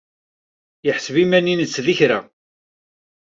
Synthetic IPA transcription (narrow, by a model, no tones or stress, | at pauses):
jəħəsəvimæninət͡sːðiçɾæ